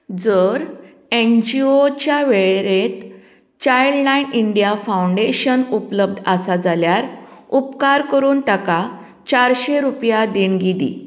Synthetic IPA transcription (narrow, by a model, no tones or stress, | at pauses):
d͡zəɾ | end͡ʑiot͡ɕjaʋeɭeɾet̪ | t͡ɕajlnainiɳɖijafawuɳɖeɕənupləb̚d̪ʱasad͡zaljaɾupkaɾkəɾuːnt̪aka | t͡ɕaɾɕeɾupjad̪iɳɡid̪ḭ